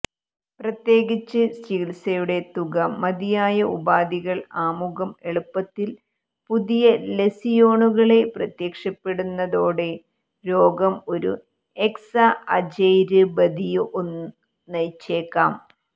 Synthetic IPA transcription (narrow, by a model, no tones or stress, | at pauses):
prɐt̪je̞ːɣit͡ɕːɨstiːlsɐjuɽe̞t̪uɣɐmːɐðijaːjɐubaːd̪iɣɐɭaːmuɣɐme̞ɭupːɐt̪ːil | puðijɐle̞sijo̞ːɳuɣɐɭe̞prɐt̪jeːkʂɐpːe̞ɽunːɐðo̞ːɽe̞ | ɾo̞ːɡɐmo̞ɾṵ | e̞ksɐʔɐd͡ʑɐjɾɨbɐd̪ijuʔonː | nɐjt͡ɕːe̞ːkːaːm